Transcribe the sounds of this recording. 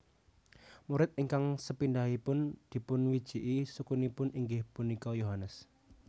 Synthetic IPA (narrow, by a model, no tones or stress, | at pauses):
muɾɪt̪̚iŋkaŋsəpind̪aɦipʊnd̪̥i̤pʊnwid̥ʒ̥iʔisukunipʊniŋɡɪhpunikɔjoɦanəs